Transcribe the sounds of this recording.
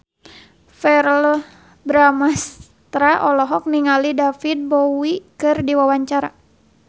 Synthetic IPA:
fɛrl | bɾamas | t̪ɾaʔɔlɔɦɔk̚niŋalidafid̪̚bɔwikɨrdiwawaɲt͡ʃaɾa

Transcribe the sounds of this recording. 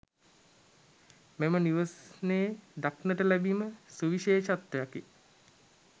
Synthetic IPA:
meməniʋəsneːd̪aknəʈəlæbiməsuʋiʃeːʃat̪ːejaki

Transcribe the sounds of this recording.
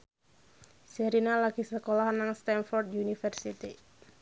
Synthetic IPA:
sɛɾinalaɡisəkolahnaŋst̪ɛnfɔrd̪̚iunifərsit̪i

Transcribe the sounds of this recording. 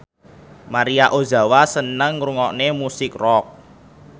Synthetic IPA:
maɾiaʔoza̤wasənəŋruŋɔʔnemusɪkrɔk̚

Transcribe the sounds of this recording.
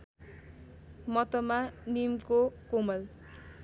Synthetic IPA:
mʌt̪ʌmanimkokomʌl

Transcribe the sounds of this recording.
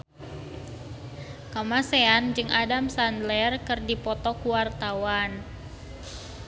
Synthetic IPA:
kamaseand͡ʒɨŋʔadamsandlɛrkɨrdipɔt̪ɔkuwart̪awan

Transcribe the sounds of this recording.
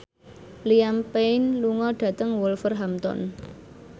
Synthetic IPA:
liampeɪnluŋɔɖ̥ä̤t̪əŋwɔlfərɦamt̪ɔ̰n

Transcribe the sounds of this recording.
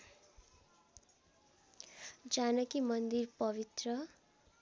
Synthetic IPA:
d͡zanʌkimʌnd̪irpʌβit̪rʌ

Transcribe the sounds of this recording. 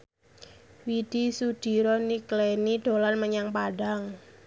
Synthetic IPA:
wid̥isud̥i̤ɾɔniklenid̪̥o̤lanməɲaŋpaɖaŋ

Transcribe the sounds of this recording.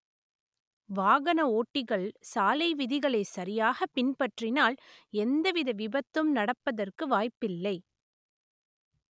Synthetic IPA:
ʋaːɣɐnɐoːʈːɪɣɐɭsaːlɐɪʋɪðɪɣɐɭeːsɐɾɪjaːɣɐpɪnpɐʈrɪnaːlɛnd̪ɐʋɪðɐʋɪbɐt̪ːɯmnɐɽɐpːɐðɐrkɯʋaːjpːɪlːɐɪ

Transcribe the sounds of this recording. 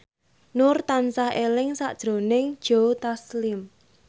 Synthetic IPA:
nʊrt̪ansahelɪŋsa̰ʔd̥ʒ̥ɾo̤nɪŋd̥ʒ̥ot̪aslɪm

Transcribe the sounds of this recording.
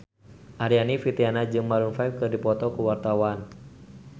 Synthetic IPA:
ʔaɾianifit̪ianad͡ʒɨŋmalunfaip̚kɨrdipɔt̪ɔkuwart̪awan

